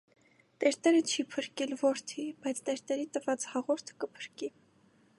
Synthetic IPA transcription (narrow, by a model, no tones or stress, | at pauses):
t̪ɛɾt̪ɛɾət͡ʃʰipʰəɾkɛlvɔɾt̪ʰibɑjt͡sʰt̪ɛɾt̪ɛɾit̪əvɑt͡shɑʁɔɾt̪ʰkəpʰə̥ɾki